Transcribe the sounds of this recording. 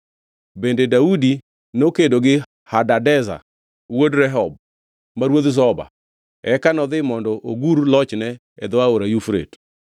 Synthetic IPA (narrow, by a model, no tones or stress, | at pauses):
bendedaudi | nokedoɡɪ | hadadɛza̰ | wodɾɛɦɔb̚ | maɾwod̪s̬ɔba̰ | ɛkanɔðɪmɔndɔʔoɡuɾlɔt͡ʃnɛ | ɛd̪ɔaoɾajufɾḛt